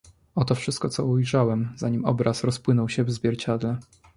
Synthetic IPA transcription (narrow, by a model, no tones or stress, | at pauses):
ɔt̪ɔfʂɘst̪kɔt̪sɔujʐawɛmzaɲimɔ̰bɾasɾɔspwɘnɔwɕɛvzvʲjɛɾt͡ɕad̪lɛ